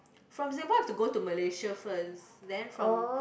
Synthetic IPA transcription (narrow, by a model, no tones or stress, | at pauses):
fɹɔ̃mzẽbəhɛftuɡotuməleʃəfəsdɛ̃nfɹɔ̃